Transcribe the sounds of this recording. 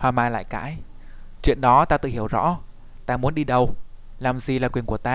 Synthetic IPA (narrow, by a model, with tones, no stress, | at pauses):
hwaː˨˩maː˨˩la̰ː˧˨jka̰ː˧˥j | t͡ɕwḭ˧˨ənɗɔ˨˦t̪aː˧t̪ɨ̰˧˨hi˧˩əwzɔ̰˧˥ | t̪aː˧mu˨˦ənɗi˧ɗə˨˩w | laː˨˩mzi˨˩laː˨˩kwi˨˩əŋku˧˩ət̪aː˧